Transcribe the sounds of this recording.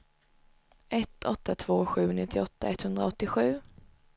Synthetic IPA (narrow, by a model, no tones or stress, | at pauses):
ʔɛt̪ɔt̪ʰːat̪ʰv̥oːɧʉ̟ːnɪt̪ʰːɪɔt̪ːaɛt̪hɵnd̪ɾaɔt̪ːɪɧʉ̟ː